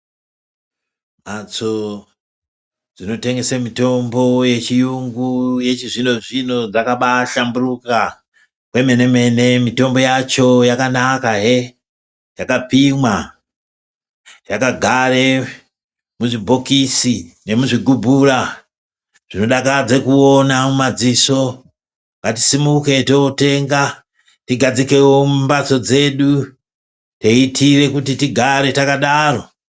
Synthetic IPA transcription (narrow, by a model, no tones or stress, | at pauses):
mat͡so | d͡zino̞te̞ŋɡe̞semito̞mbo̞je̞t͡ʃijuŋɡuje̞t͡ʃiʐino̞ʐino̞d͡zakaɓaʃamburuka | kwe̞me̞ne̞me̞ne̞mito̞mbo̞jat͡ʃo̞jakanakaɦe | jakapimwa | jakaɡʱare̞ | muʐibʱo̞kisine̞muʐiɡʱubʱura | ʐ̥ino̞ɗakad͡ze̞kuonamumad͡ziso̞ | ŋɡati̥simuke̞teote̞ŋɡa | tiɡʱad͡zike̞wommbat͡so̞d͡ze̞ːɗu | teitʰire̞kutitiɡʱaɾe̞takaɗaro̞